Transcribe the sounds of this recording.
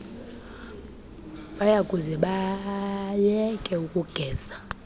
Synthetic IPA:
ɓajaɡʼuzɛɓa | jɛkʼɛukʼuɡ̥ʱɛːz̥a

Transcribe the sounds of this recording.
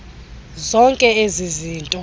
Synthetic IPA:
zɔŋkʼɛeziziːntʼɔ

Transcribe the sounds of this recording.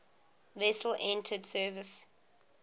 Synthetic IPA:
vɛsəlʔɛ̃ntʰədsɜvɪs

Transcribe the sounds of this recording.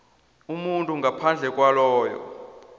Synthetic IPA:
umuntʼuŋɡʱapʰand͡ɮʱɛkʼwalɔːjɔ̰

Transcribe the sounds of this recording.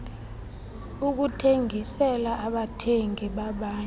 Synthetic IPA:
uk̬utʰeŋʱisɛlaʔaɓatʰeŋɡʱiɓaɓaːɲ

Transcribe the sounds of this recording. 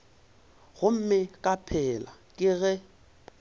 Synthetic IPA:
ɣʊm̩mɪkʼapʰɛlakʼɪɣɛ

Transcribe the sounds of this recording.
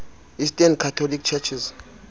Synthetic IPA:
istʼɛnkʰatʰɔlikt͡ʃʰɛt͡ʃʰiz

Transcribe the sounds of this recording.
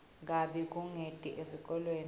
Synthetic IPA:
k̬ʼaɓik̬ʼuŋetʼiʔezik̬ʼɔlweːn

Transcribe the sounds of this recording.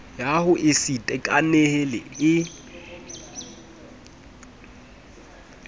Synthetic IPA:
jahʊʔɪsitʼɛkʼanehɪlɪ̰ɪ

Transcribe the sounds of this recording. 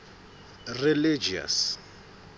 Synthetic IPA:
rilid͡ʒia̰s

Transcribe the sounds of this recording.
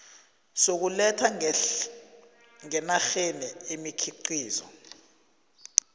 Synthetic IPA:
sok̬ulɛtʰa | ŋɛnaxenɛemikʰiǀiːzɔ̰

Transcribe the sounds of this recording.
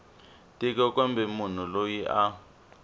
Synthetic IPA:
tʼikɔkɔmbʱɛmun̤ulojiʔa

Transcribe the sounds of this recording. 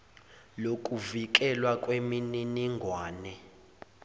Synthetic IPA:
lokʼuvik̬ɛlwakʼwemininiŋɡʱwaːnɛ

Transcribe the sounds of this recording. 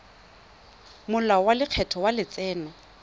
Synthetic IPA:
mʊlawalɪq͡χʰɛtʰɔwalɪt͡sʼɛːnɛ

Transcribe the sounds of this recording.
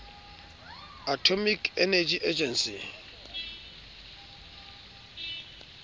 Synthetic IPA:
atʰomikʰɛnɛd͡ʒʼiʔed͡ʒʼɛnsi

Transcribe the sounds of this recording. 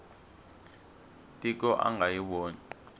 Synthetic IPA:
tʼik̬ɔʔa̰ŋɡajiɓoːni

